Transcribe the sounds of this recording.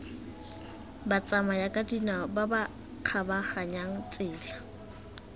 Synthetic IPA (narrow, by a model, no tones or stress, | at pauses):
bat͡sʼamajakʼadinababa | q͡χʰabaχaɲaŋ̩t͡sʼɪːla